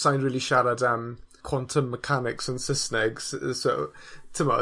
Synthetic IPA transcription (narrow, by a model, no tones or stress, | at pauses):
sãɪ̃nɹɪːlˠiʃaɾədəmkʰw̥ɔ̃ntʰəmːəkʰanɪksə̃nsəsnɛɡz̥soʊtʰəmə